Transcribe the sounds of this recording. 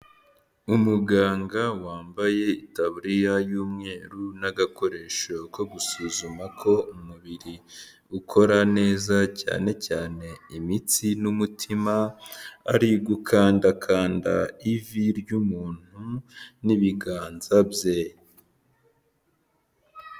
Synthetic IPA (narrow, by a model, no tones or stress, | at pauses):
umuɡaːŋɡawaːmbaje̞itaβuɾijajuːmŋe̞ːɾunaɡako̞ɾe̞ːʃoko̞ɡusuːzumakʰo̞umuβiɾi | ukʰo̞ɾane̞ːzaca̰ːne̞caːne̞imit͡sinumutʰima̰ː | ɾiɡukʰaːndakʰaːnda̰iviɾɟumuːn̥huniβiɡaːnzabje